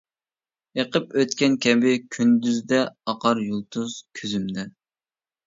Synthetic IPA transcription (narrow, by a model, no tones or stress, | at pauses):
eqəpøt̪kʲɛnkʲʰɛbɪkʲʰynd̪yzd̪ɛɑqɑɾjolˠt̪ʰuz̥kʲʰøzymd̪ɛ